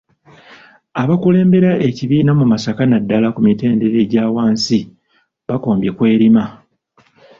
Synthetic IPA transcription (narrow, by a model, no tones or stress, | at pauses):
aβakule̞ːmbe̞ɾaʔe̞ciβiːnamumasakanadːalakumite̞ːnde̞ɾe̞ɟaːwaːnsi | βakoːmbje̞kwe̞ːɾima